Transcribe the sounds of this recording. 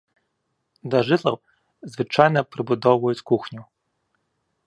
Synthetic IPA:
d̪ɐʒɪt̪lˠɐw | zʋɪt͡ʃajnɐpɾɪbʊd̪ɔwʊjʊt͡sʲkuxnʲʊ

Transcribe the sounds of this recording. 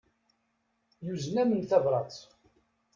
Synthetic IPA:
juznæmənθævɾˤɑt͡s

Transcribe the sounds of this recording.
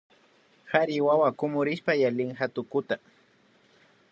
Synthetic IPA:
haɾɪwawakʊmʊɾɪspajalɪŋxat̪ʊkʊt̪a

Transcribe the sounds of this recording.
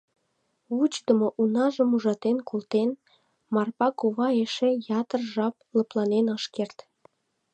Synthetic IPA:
ut͡ɕd̪əmoʔunɑʒəmuʒɑt̪enkʰolt̪en | mɑrpɑkuβɑeʃejɑt̪ərʒɑp̚ | ləplɑnenɑʃkert̪

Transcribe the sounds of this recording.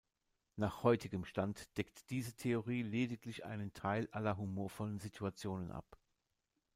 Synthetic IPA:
naːχhɔʏtʰɪɡəmʃtantd̥ɛktd̥iːzətʰeoʁ̞iːleːdɪklɪçʔa̰ɪnəntʰaɪlʔalɐɦumoːɐfɔlənzitʰuat͡sjoːnənʔa̰p

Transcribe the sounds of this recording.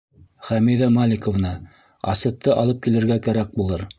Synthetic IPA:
χæmiðæmalʲɪkovnɤ | ɑ̰sɤ̆tt̪ʰːɤʔɑlˠɤp̚kilɘ̆ɾɡækæɾæk̚bulˠɤɾ

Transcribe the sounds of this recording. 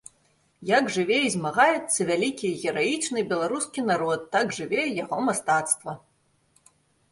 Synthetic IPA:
jaɡʐɨvʲɛizʲmaɣajɛt̪sːɐvʲalʲikʲiɣʲɛɾajit͡ʂnɨbʲɛlˠaɾuskʲinaɾɔt̪ːaɡʐɨvʲɛjaɣɔmast̪at̪st̪vɐ

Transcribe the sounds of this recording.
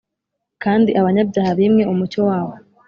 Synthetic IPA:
kaːndiʔaβaɲabjaːhaβimŋe̞ʔumut͡ʃowaːβo̞

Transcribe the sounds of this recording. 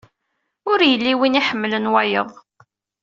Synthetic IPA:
ʊɾjəlːiwiniħəmːlənwæjəðˤ

